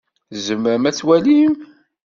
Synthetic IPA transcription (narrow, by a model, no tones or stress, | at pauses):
zəmːəɾəmæt͡sːwælim